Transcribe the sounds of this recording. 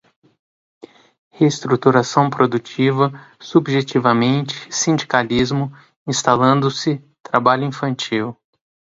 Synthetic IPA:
hest̪ɾut̪uɾasɐ̃w̃pɾod̪ut͡ʃivɐ | subʒet͡ʃivɐmẽnt͡ʃɪ̥sĩnd͡ʒikalizmʊ | ĩst̪alɐ̃nd̪ʊsɪ | t̪ɾabaʎʊĩfɐ̃nt͡ʃiw

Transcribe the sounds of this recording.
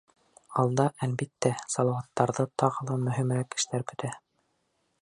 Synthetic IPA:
ɑlˠd̪ɑʔælbit̪ːæsɑlˠɑwɑt̪ːɑɾðɤt̪ɑʁɤ̆lˠɤmɵ̆ɦɘ̆mɾækɘ̥̆ʃt̪æɾkɵ̆t̪æ

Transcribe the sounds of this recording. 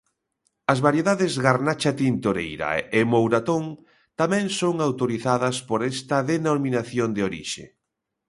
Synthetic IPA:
ɐzβaɾjeðaðɪzɣaɾnat͡ʃat̪int̪oɾḛjɾɐ̰emowɾat̪oŋ | t̪amɛ̃ŋsoŋawt̪oɾiθaðɐspoɾɛst̪ɐðenominaθjond̪eoɾḭʃḛ

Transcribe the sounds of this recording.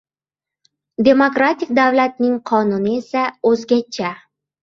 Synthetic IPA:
d̪ʲe̞mo̞kɾat̪ik̚d̪awlat̪̚nɪŋqʰɒnunɪe̞sæɵzɡʲat͡ʃʰːa

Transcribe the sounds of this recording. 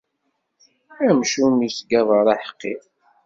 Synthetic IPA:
æmʃumisɡæðˤəɾˤɑħə̥qːið

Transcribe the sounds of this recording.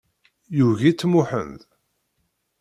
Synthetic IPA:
juʝit͡sːmuħə̰nð

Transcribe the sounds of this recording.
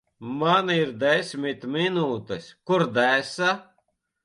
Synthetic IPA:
maniɾd̪ɛsʲmʲit̪minuːt̪ɛskuɾd̪æsa

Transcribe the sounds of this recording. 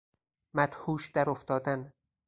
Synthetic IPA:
mæt̪huːʃd̪̥æɾoft̪ɒːd̪æn

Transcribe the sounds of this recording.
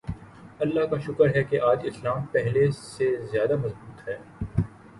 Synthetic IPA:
ɐlːaɦkaʃʊkəɾɦɛkeʔaːd͡ʒɪslaːmpɛɦlesezjaːd̪amɐzbuːt̪hɛː

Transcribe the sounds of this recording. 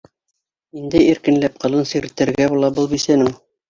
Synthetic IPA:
ind̪ɘiɾkɘ̆nlæp̚qɤ̆lˠɤnsiɾɘ̆t̪ɘ̆ɾɡæbulˠɑbɤlˠbisænɘŋ

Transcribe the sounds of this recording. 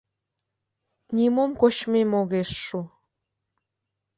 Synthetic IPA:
nʲimomkot͡ɕmemoɣeʃːu

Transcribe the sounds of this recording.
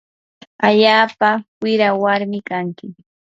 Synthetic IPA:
aʎaːpawɪɾawaɾmɪkaŋkɪ

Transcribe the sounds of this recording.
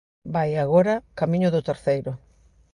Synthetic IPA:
bajaɣoɾɐkamĩɲʊðʊt̪eɾθejɾʊ

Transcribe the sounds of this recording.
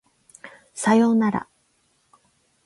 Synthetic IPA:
sajoːnaɾa̰

